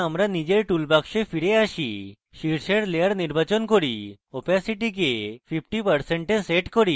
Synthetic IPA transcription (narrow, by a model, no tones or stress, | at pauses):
amɾanid͡ʑeɾʈulbakʃepʰiɾeaʃi | ʃiɾseɽlejaɽniɾbat͡ʃɔnkoɾi | opasiʈik̬epʰipʰʈipəɾseɳʈeseʈkoɾi